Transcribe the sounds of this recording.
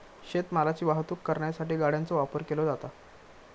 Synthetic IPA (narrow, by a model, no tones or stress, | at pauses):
ɕet̪məlat͡ɕiːʋaɦt̪uːkːəɾɳjasaʈiːɡaɽ̤jant͡sɔʋapəɾkelod͡zat̪a